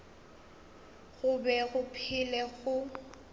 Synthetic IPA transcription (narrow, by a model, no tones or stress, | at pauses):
ɣʊbɛɣʊpʰɪlɛɣʊ